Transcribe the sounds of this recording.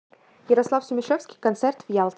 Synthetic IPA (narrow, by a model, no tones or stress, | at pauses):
jəɾɐslˠafsʲʊmʲɪʂefskʲɪ̥jkɐnt̪sɛrt̪vjalˠt̪